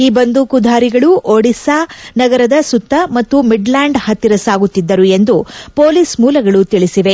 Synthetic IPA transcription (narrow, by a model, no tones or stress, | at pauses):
iːbɐnd̪ukud̪ʱaːɾiɡɐɭuʔoɽisaːnɐɡɐɾɐd̪ɐsut̪ːɐmɐt̪ːumiɖlaːɳɖhɐt̪ːiɾɐsaːɡut̪ːid̪ːɐɾue̞nd̪upoːlismuːlɐɡɐɭut̪iɭisiʋe̞